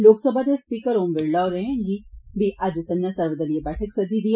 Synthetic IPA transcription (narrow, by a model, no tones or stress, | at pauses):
loːksəbʱad̪espiːkəɾɦoːmʋeɽlaːoɾeɦẽɡibʱiʔad͡ʒusɐ̃njasɐɾʋəd̪əliebɛːʈʰəksɐd̪ʱid̪i